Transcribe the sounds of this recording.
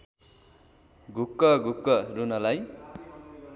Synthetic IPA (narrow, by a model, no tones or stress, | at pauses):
ɡʱukːʌɡukːʌɾunʌlaj